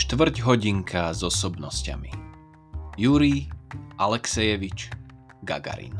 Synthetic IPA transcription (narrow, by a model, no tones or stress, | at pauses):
ʃt̪ʋr̩ɟɦɔɟiŋkʰazɔsɔbnɔsca̰mḭ | juɾiʔalɛksɛjɛʋit͡ʃ | ɡa̰ɡa̰ɾḭn